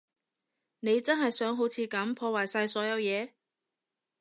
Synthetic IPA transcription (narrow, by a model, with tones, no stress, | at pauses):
ne˨˧jt͡sɐ˥nɦɐ˨jsœː˨˥ŋɦo˨˥wt͡sʰiː˨˧kɐ˨˥mpʰɔː˧waː˨˩jsaː˧jsɔː˨˥jɐ˨˧wjɛː˨˧